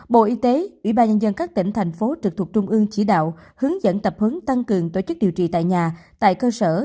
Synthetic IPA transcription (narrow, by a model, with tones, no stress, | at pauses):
ɓo̰˧˨ʔi˧t̪e˨˦ʔwḭ˧˥ɓaː˧nɲə˧nzə˧nkaː˦˥k̚t̪ï˧˩ŋ̟t̪ʰɛ˨˩jŋ̟fo˨˦t͡ɕɨ˨˩k̚t̪ʰu˨˩k̚t͡ɕʊ˧ŋ͡mʔɨ˧əŋt͡ɕi˧˩ɗa̰ː˧˨w | hɨ˨˦əŋzə̰˧˥nt̪ə˨˩p̚hɨ˨˦ŋt̪a˧ŋkɨ˨˩əŋt̪o˧˩t͡ɕɨ˦˥k̚ɗi˨˩wt͡ɕḭ˧˨t̪a̰ː˧˨jɲaː˨˩t̪a̰ː˧˨jkəː˧səː˧˩